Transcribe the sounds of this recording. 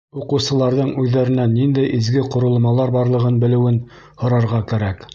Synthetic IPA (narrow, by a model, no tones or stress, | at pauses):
uqɤ̆wsɤ̆lˠɑɾðɤɴʉðːæɾɘ̆nænːind̪æjʔizɡɘqŏɾŏl̆ˠmɑlˠɑɾbɑɾlˠɤ̆ʁɤnbɘ̆lɘ̆wɘn | hŏɾɑɾʁɑkæɾæk